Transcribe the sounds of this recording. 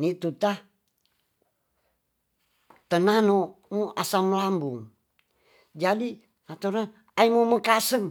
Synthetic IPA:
nit̪ut̪a | t̪ənanomuʔasaməlambuŋ | d͡ʒadi | at̪oɾan | aimuməkasəŋ

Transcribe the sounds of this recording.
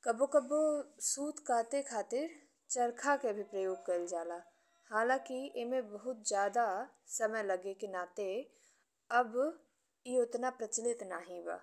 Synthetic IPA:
kɐbokɐbosuːt̪ʰkʰaːt̪ekʰaːt̪ɪɾ | t͡ʃɐɾkʰakebʱipɾəjoːɡ̚kɐɾld͡ʒaːlaː | haːlãːkiemẽbɐɦʊt̪̚d͡ʒjaːd̪a | sɐməjlɐɡekinaːt̪e | ɐb | iʊt̪napɾɐt͡ʃlɪt̪naːɦĩba̰ː

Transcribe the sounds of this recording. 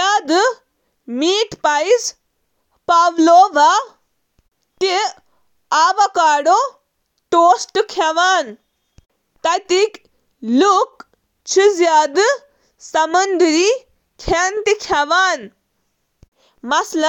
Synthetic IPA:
aːd̪ɨ | miːʈpajs | paʋloːʋa | ʈi | aːʋɐkaːɽo | ʈoːsʈɨkʰɐʋaːn | t̪ɐt̪ik | luk | t͡ʃʰizjaːd̪ɨ | sɐmɐnd̪ɾi | kʰant̪ikʰɐʋaːn | mɐslɐ

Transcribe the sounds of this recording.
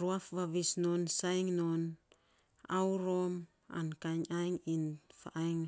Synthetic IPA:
ɾuafβaβisno̞nsajŋnon | awɾom | a̰nkaɲajŋinfa̰ʔajŋ

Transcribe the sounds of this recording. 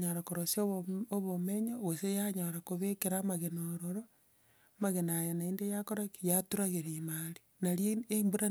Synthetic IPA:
ɲaɾakoɾosiooβomeɲoɣosejaɲaɾakoβekeɾamaɣenoɾoɾo | maɣenajanaeːndejakoɾakijatuɾaɣeɾemaɾi̥ | naɾjeembuɾa

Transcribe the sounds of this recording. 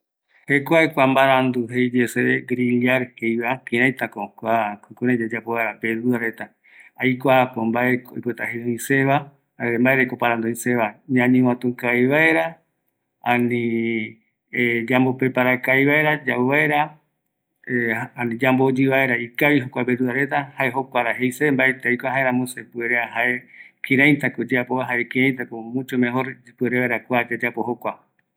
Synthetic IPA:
hekʷaekʷambaɾand̪uɦejd͡ʒeseeɡɾilaɾkejβakĩɾãjt̪akokʷakokuɾẽd͡ʒad͡ʒapoβaeɾaped̪uaɾet̪a | ajkʷapombaekoipet̪aɦeðõĩseβa | embaeɾekopaɾand̪oĩseβaɲãɲĩw̃ãt̪ũkajβaeɾa | anĩ | d͡ʒambopepaɾakajβae̞ɾad͡ʒauβaeɾa | anĩd͡ʒambod͡ʒiβaeɾaikaβiɦokʷabeɾuðaɾe̞t̪ahaeɦokʷaɾaɦejsembaet̪eajkʷaɦaeɾãmõsepueɾeaɦaekĩɾãj̪t̪akod͡ʒeapoaɦaɾekiɾãj̃t̪akomũt͡ʃomẽɦoɾd͡ʒipueɾeβaeɾakʷad͡ʒet̪eapo̞hokʷa

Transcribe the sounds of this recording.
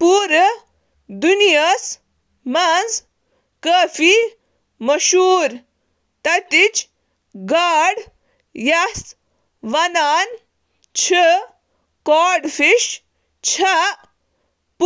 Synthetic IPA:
puːɾ | d̪unjɐs | mɐd͡z | kəfi | mɐʃuːɾ | t̪ɐt̪it͡ɕ | ɡaɽ | jɐs | ʋɐnaːn | t͡ɕʰə | kɔɖfiʃ | t͡ɕʰɐ | p

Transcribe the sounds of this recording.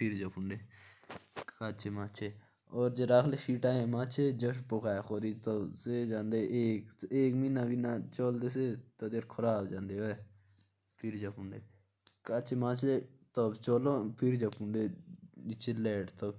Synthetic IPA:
pʰɪɾd͡ʒaːpʊɳɖeː | kaːt͡ʃʰeːmaːt͡ʃʰeː | ɔːɾd͡ʒeɾaːkʰlefiːʈaːẽːmãːt͡ʃʰeːd͡ʒəʃpoːkaːexoːɾiːt̪oːseːd͡ʒãːnd̪eːʔeːkeːkmiːnãːbiːnaːt͡ʃoːld̪eːs̬eːt̪oːd̪eɾkʰoɾaːbd͡ʒãːnd̪eːɦoːe | pʰɪɾd͡ʒaːpʊɳɖeː | kaːt͡ʃʰeːmãːt͡ʃʰeːt̪oːt͡ʃoːlõːpʰɪɾd͡ʒaːpʊɳɖeːɪt͡ʃʰeːlɛːʈt̪oː

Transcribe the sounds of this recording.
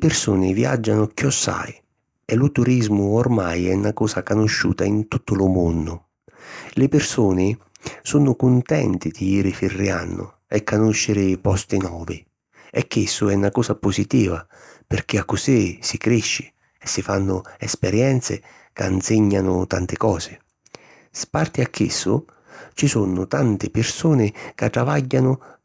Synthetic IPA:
lɪpɪrsuːnɪvja̰d͡ʒːanʊk̟jɔsːa̰j | ɛlʊt̪uɾizmʊormajɛnːakɔːsakanʊʃːṵːt̪aint̪ut̪ːʊlʊmʊndʊ | lɪpɪrsuːnɪsunʊkunt̪ɛ̰nt̪id̪iiːɾɪfirːianːʊ̰ | ɛkːanoʃːɪɾɪpɔst̪inɔːvi | ɛkʰːɪsːʊɛunakɔːsapʊsit̪iːva | pɪrk̟ɪakːʊsisikɾiʃːɪ̥ | ɛsːifanːʊɛspɛɾjɛnt̪sɪ̰ | ka̰nsɪɲːanʊt̪ant̪ɪkɔːsɪ | spart̪iakʰːɪ̰sːʊ | t͡ʃisunʊt̪ant̪ɪpɪrsuːnɪkat̪ːɾavaɟːanʊ

